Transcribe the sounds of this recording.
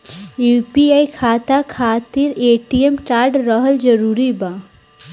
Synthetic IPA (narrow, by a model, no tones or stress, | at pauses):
jupiajkʰaːt̪akʰat̪iɾeʈiemt͡ʃaːɾɖɾəɦəld͡ʒəɾuːɾiba